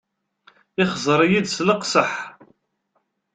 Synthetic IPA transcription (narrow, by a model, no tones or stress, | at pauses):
ɪχzˤəɾˤjid̪sləqsəħ